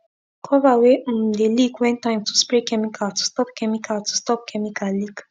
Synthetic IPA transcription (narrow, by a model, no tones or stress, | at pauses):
kʰɔvawedelikwɛ̃ntãɪ̃mtuspɾekɛmikʰatu̥stɔpkɛmikatu̥stɔp̚kʰɛmikalik